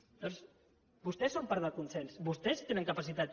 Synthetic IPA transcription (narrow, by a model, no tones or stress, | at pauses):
d̪ɔs | bust̪ɛsːompaɾðəkunsɛnsbust̪ɛst̪enəŋkəpasit̪at̪